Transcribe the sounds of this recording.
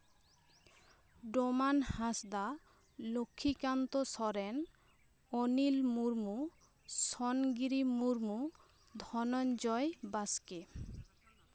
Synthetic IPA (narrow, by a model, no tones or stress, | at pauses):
ɖomanhasd̪a | lokʰːikant̪osɔɾen | onilmuɾmu | sɔnɡiɾimuɾmu | d̪ʱɔnɔnd͡ʒɔjbaske